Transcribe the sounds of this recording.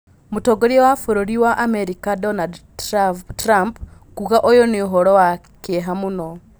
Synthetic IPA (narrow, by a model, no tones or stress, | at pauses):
mutoɡoɾiwafuɾoɾiwaʔameɾikadonad | ɾampkuɣaʔojoniɦoɾowa | keɦamuno